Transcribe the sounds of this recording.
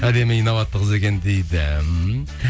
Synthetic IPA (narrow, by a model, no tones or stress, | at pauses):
æd̪e̞mɪijnɑvɑt̪ːəʁəzd̪e̞kʲend̪ejd̪ɪ̰